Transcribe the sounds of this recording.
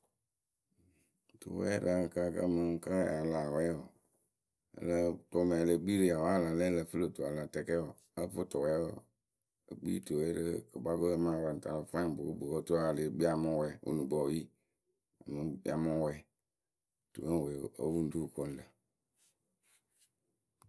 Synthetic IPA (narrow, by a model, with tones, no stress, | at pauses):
tṵ˨wɛ̰˦lə˦˨ka˦˨kə̰˦mə˨˦ka˦˨a˨la˨wɛ˦ɔ˨ | ə̰˨lə˦tɔ˨mɛ˨lə˨ɡ͡bi˦li˨˦a˨wa˦la˨lɛ˦lə˨fɨ˦lə˦˨tu˨a˨la˨tɛ˨kɛ˦ɔ˨ | ə˦fo˦tɔ˨wɛ˦ɔ̰˨ | ə˨ɡ͡bḭ˦tu˨wɛ˦ɾə˦kə˨ba˦ko˦mã˦˨wa˨n̩˨ta˨lo˨fa˦˨bo˨ko˦bo˨ko˦tu˦a˦˨le˨bi˦a˨mã˦wɛ˨o̰˨nu˨bɔ˨ji˦ | a̰˨mə˨bḭ˦a˨mã˦wɛ˦˨ | tṵ˨ə˦˨wɛ˨o˦wu˦n̩˦du˦˨ko˦n˨lə˨